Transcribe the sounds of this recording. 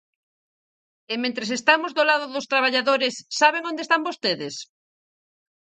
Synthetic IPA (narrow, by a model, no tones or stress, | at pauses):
emẽnt̪ɾes̬est̪amozðolaðʊðʊst̪ɾaβ̞aʎaðoɾesːaβeŋõnd̪est̪ambost̪eðes